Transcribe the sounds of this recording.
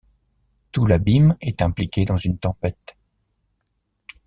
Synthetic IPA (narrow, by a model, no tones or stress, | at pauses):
t̪ulabimɛt̪ɛ̃plikʲed̪ɑ̃zynt̪ɑ̃pɛt̪